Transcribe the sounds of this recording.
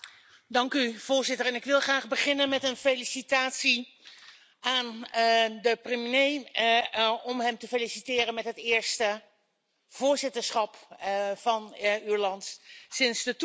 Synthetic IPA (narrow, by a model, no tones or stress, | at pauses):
dɑŋkyv̥ʊːɹzɪtəɹɛnɪkʋɪlˠχraːχbəχɪnənmɛtənfelisitaːtsi | aːn | dəprəminej | ɔmɦɛmtəfelisitɪːrənmɛtɦətɪːɹstə | v̥ʊːɹzɪtəɹsχɑpv̥ɑnyɹlɑntsɪnsdət